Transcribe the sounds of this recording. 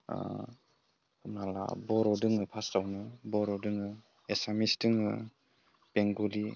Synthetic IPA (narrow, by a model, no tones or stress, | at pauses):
nala̰bɔɾɔdɯŋɯpʰastawnɯbɔɾɔdɯŋɯ | esamisdɯŋɯ̰ | peŋɡuli